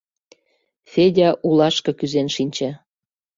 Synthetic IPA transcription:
fedʲɑʔulɑʃkɤ̆kyzenʃinʲt͡ɕæ

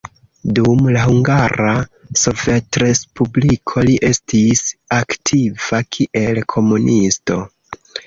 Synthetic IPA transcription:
dumlahuŋɡaɾaso̞vetɾe̞spublikʰo̞liʔe̞stisaktʰivakʰiʔe̞lkʰo̞munʔisto̞

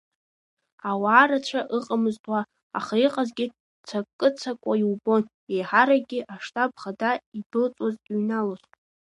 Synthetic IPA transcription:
awaːɾat͡ʃʷʰaʔɨqʼamɨztʼwa̰ː | χaiqʼazɡʲɪ | t͡sʰakʼːɨt͡sʰakʷʼajiwbo̞n | ejħaɾaɡʲɪʔaʂtʰʼab̚χadaibɨlt͡sʼazɥnalostʼ

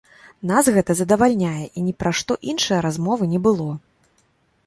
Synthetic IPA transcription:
nasɣɛt̪ɐzɐd̪ɐvalʲnʲajɛʔinʲɛpɾaʂt̪ɔʔinʂɨjɐɾazmɔvɨnʲɛbɨlˠɔ

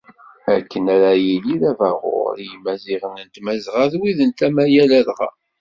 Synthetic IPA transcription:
ækːənæɾæjiliðævæʁʊ̰ɾjəmæziʁənənt̪mæzʁaðwiðənt̪æmæjælælʁa̰

